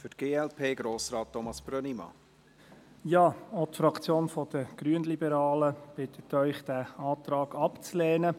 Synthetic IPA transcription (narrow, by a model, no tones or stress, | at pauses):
fʏtɡ̥eːɛlpʰeːɡ̥ɾoːsɾɑːt̚ːɔmɑsb̥ɾœnimɑ̰ | jɑːotfɾɑkt͡sjoːnfɔd̥̪əɡ̥ɾyənlibəɾɑːləb̥ɪt̪ʰətːœʏχd̥æɑːt̪ɾɑːɡ̥ɑpt͡slɛːnə